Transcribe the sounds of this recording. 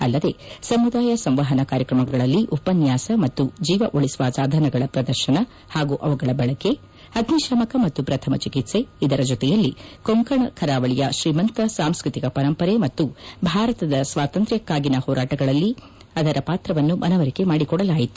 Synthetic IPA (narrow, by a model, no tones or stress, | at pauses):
ɐ̰lːɐd̪e̞ːsɐmud̪aːjɐsɐmʋaːɦɐnɐkaːɾjɐkɾɐmɐɡɐɭɐlːiʔupɐnjaːsɐmɐt̪ːud͡ʒiːʋɐʔoɭisʋaːsaːd̪ʱɐnɐɡɐɭɐpɾɐd̪ɐɾʃɐnɐ | haːɡuʔɐʋɐɡɐɭɐbɐɭɐke̞ | ɐd̪ʱniʃɐmɐkɐmɐt̪ːupɾɐt̪ʰɐmɐt͡ʃikit̪se̞id̪ɐɾɐd͡ʒɔt̪ɛjɐlːikoŋkɐɳɐkʰɐɾaːʋɐɭijɐʃɾiːmɐnt̪ɐsaːmskɾɨt̪ikɐpɐɾɐmpɐɾemɐt̪ːubʱaːɾɐt̪ɐd̪ɐsʋaːt̪ɐnt̪ɾjɐkːaːɡinɐhɔːɾaːʈɐɡɐɭɐlːi | ɐd̪ɐɾɐpaːt̪ɾɐʋɐnːumʔɐnɐʋɐɾike̞maːɽikɔɽɐlaːjit̪u̥